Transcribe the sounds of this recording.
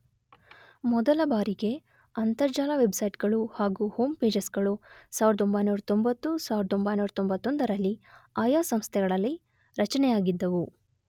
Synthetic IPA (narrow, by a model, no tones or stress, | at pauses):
mɔd̪ɐlɐbaːɾiɡe̞ | ɐnt̪ɐɾd͡ʒaːlɐʋe̞bsɐjʈɡɐɭuhaːɡuho̞ːmpe̞ːd͡ʒesɡɐɭusaːʋiɾɐd̪ombɐjnuːɾɐt̪o̞mbɐt̪ːusaːʋɾɐd̪ombɐjnuːɾɐt̪ombɐt̪ːond̪ɐɾɐlːiaːjaːsɐmst̪ʰɛɡɐɭɐlːi | ɾɐt͡ʃɐnɛjaːɡid̪ːɐʋu